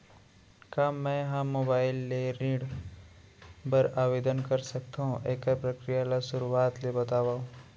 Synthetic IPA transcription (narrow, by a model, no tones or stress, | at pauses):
kaːɛ̃ɦãmːoːbaːɪlːeɾiːɽ | pɐɾaːʋeːd̪ənkɐɾsɐk̚t̪aɦũʔeːkəɾpɾɐkɾijalasʊɾuaːt̪lebɐt̪aːʋaːũ